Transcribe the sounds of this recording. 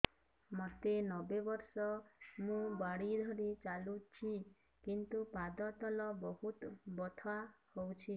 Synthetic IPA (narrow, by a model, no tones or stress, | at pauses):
mɔt̪enɔbebɔɾsɔmũbaɽid̪ʱɔɾit͡ʃalut͡ʃʰi | kint̪upad̪ɔt̪ɔlɔbɔɦut̪bɔt̪ʰɔahowt͡ʃʰi